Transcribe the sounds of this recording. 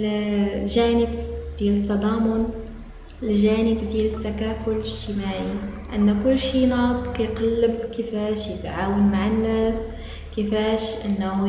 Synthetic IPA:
lʒaːnɪb̚d̪iːlət̪ːɑd̪ˤɑːmʊn | ɪlʒaːnɪbd̪iːlɪt̪ːakaːfʊlʃtɪmaːʕi | ʔɪnːækʊlːʃinɑːb̪kijqɑlːəbkɪfaːʃjɪt̪ʕaːwanmaʕɪnːaːs | kɪfaːʃʔɪnː

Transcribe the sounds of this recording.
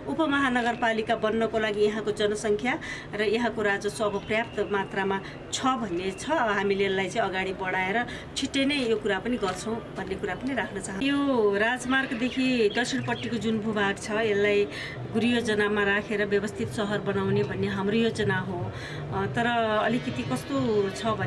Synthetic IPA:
upʌmʌɦanʌɡʌrpalikabʌnːʌkolaɡijʌɦãkod͡zʌnʌsʌŋkʰja | rʌjʌɦãkoɾad͡zʌsoːbʱʌprjap̚t̪ʌmat̪rama | t͡sʰʌbʱʌnːet͡sʰʌɦamilelːajt͡sʌĩʌɡaɽibʌɽaeɾʌ | t͡sʰiʈːenʌjjokuɾapʌniɡʌrt͡sʰʌw̃bʱʌnːekuɾapʌniɾakʰnʌt͡saɦʌnjoɾad͡zmarɡd̪ekʰid̪ʌsʰiɽ̃pʌʈːikod͡zunbʱubʱaɡt͡sʰʌelːaj | ɡuɾijod͡zʌnamaɾakʰeɾʌbjʌbʌst̪ʰit̪sʌɦʌrbʌnawnebʱʌnːeɦamrojod͡zʌnaɦõ | t̪ʌɾʌːlikʌt̪ikʌst̪ot͡sʰʌbʱʌn

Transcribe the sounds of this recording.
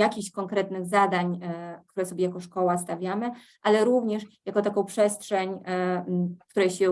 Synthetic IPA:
jakʲiɕkɔŋkɾɛt̪nɘɣzad̪aɲk̚t̪uɾɛsɔbʲjɛjakɔʂkɔwast̪avʲjamɘ | ʔalɛɾuvɲɛʂjakɔt̪akɔ̃w̃pʂɛstʂɛɲ | kt̪uɾɛjɕɛ

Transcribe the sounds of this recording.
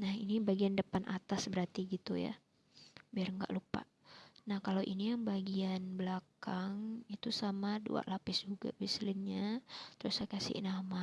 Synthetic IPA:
nahinibaɡiandəpanʔat̪asbəɾart̪iɡit̪uja̰ | biarŋɡa̰ʔlupa̰ʔnahkalawʔinijaŋbaɡianbəlakaŋit̪usamadṵa̰ʔlapɪsd͡ʒuɡa̰bislɪnɲat̪əɾʊsakasɪ̰ʔnama

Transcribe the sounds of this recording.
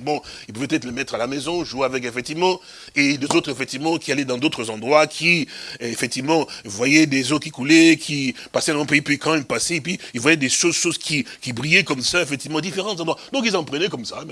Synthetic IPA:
bɔ̃ilpuvɛpøt̪ɛt̪χələmɛt̪χalamɛzɔ̃ʒueavɛkefɛkt̪ivmɑ̃ | ed̪øzot̪χefɛk̚t̪ivmɑ̃kʲialɛd̪ɑ̃d̪ot̪χəzɑ̃d̪ʁwakʰʲiefɛk̚t̪ivmɑ̃vwajɛd̪ezokʲikulɛkʲʰi | pasɛd̪̃ɔ̃peipikɑ̃ilpasepɥiilvwajɛd̪eʃozʃozkʰʲikʲibʁijɛkɔmsaefɛkt̪ivmɑ̃ed̪ifeʁɑ̃t̪zɑ̃d̪ʁwad̪ɔ̃k̬ilsɑ̃pχənɛkɔmsa

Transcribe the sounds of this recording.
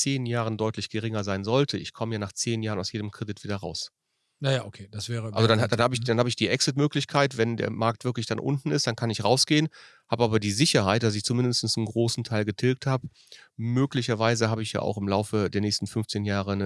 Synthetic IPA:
t͡seːnjaːʁəndɔʏtʰlɪçɡ̥əʁɪŋɐzaɪnzɔltʰəɪçkʰɔməjaːnaːχt͡seːnjaːʁənaʊsjeːdəmkʁ̥ɛdɪtv̥iːdɐʁa̰ʊs | jajaːʔokʰeːd̥asv̥ɛːʁəʔalzodandanhaːbəɪçd̥anhaːbəɪçd̥iːʔɛksɪtmøːklɪçkʰaɪtv̥ɛndḛːɐmaɐk̚tv̥ɪɐklɪçd̥anʔʊ̰ntn̩ɪstd̥ankʰanɪçʁaʊsɡ̥eːən | haːbəʔaːbɐdiːzɪçɐhaɪt̚d̥as̬ɪçt͡sumɪndəstn̩snenɡʁoːsn̩tʰaɪlɡətʰɪlk̚thaːbə | møːklɪçɐvaɪzəhaːbəɪçja̰ːʔa̰ʊxɪmlaʊfədeːɐnɛːçstn̩fʏnft͡seːnjaːʁ̞ənə

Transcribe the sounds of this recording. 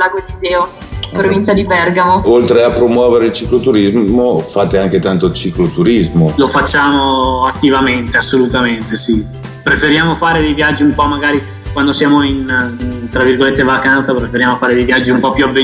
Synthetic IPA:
laɡolizɛːo | pɾovint͡ʃad̪ipɛrɡamoolt̪ɾeapːɾomwɔːveɾeilt͡ʃiklot̪uɾizmofaːt̪eaŋk̟et̪ant̪ot͡ʃiklot̪uɾizmolofat͡ʃːaːmoat̪ːivament̪easːolut̪ament̪esi | pɾefeɾjaːmofaːɾed̪ejvjad͡ʒːiumpɔmːaɡaːɾi | kwand̪osjaːmoint̪ɾavːirɡolet̪ːevakant̪sapɾefeɾjaːmofaːɾed̪ejvjad͡ʒːiumpɔpːjuavːe

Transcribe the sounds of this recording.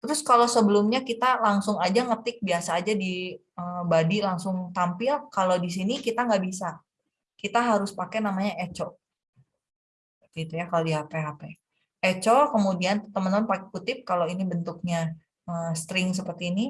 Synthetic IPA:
t̪əɾʊskalosəbəlʊmɲakit̪alaŋsʊŋad͡ʒaŋət̪ɪk̚biasaːd͡ʒadi | əbadilaŋsʊŋt̪ampɪlkalodis̬inikit̪aŋɡaʔbisa | kit̪aɦaɾʊspakɛnamaɲaʔet͡ʃɔ | t̪it̪ujakalodiɦapɛɦapɛ | et͡ʃokəmudiant̪əmənəmənpakkut̪ɪp̚kaloinibənt̪ʊk̚ɲa | əst̪ɾɪŋs̬əpərt̪iːni

